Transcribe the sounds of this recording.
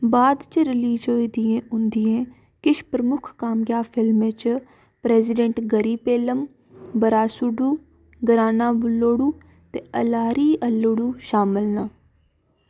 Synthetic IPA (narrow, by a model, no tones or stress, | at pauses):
baːd̪t͡ʃəɾɪliːd͡ʒoːid̪iẽːʊnd̪ijẽː | kɪʃpɾəmʊkʰkaːmjaːpʰɪlmẽːt͡ʃ | pɾɛːzɪɖə̃ɳʈɡəɾiːpeːləm | bəɾaːsʊɖuː | ɡəɾaːnaːbʊlːoːɽuː | t̪eːəlaːɾiːʔəlːoːɽuːʃaːmɪlnaː